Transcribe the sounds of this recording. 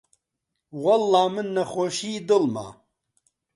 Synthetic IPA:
wɐlːɑːmɨnːɐχoːʃiːd̪ɨlma̰

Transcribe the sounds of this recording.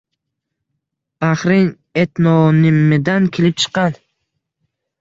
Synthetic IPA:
aχɾɪŋ | e̞t̪nɒnɪmːɪd̪ankʲʰelɪp̚t͡ʃʰɨ̥qːɑn

